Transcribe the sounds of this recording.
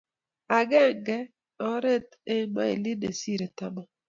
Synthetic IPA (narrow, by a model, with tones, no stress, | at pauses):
a˨ɡɛ˦˨ŋɡɛ˦ | ɔ˦ɾe˦t̪ | e˦ma̰˦ḛ˨li˦ne˨si˦ɾe˨ta˦mɔ˨